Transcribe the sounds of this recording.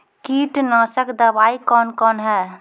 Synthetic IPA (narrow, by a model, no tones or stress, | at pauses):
kiʈnəsəkd̪əbaikɔnkɔnɦɛ